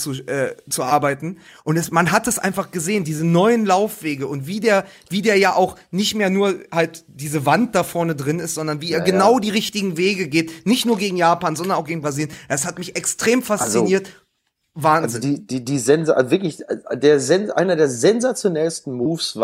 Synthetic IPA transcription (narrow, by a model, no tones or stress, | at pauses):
t͡suʔɛːt͡suʔaɐbaɪtn̩ʔʊntɛsmanɦat̚d̥asʔa̰ɪnfaχɡ̥əzeːəndiːzənɔʏənlaʊfv̥eːɡəʊntv̥iːdeːɐv̥iːdeːɐjaːʔaʊxnɪçtmeːɐnuːɐhaltd̥iːzəvant̚d̥afɔɐnədʁɪnɪstz̥ɔndɐnviːeːɐɡənaʊdiːʁɪçtɪɡŋ̩veːɡəɡeːtnɪçtnuːɐɡeːɡŋ̩jaːpaːnzɔndɐnaʊɡ̥eːɡŋ̩bʁaziːljəndashatmɪçʔɛkstʁ̥eːmfast͡st͡siniːɐt | vaːɐnzɪzdiːd̥iːdiːzɛnz̰vɪɐklɪçdeːɐzɛnʔa̰ɪnɐdeːɐzɛnzat͡sjonɛlstn̩muːfsv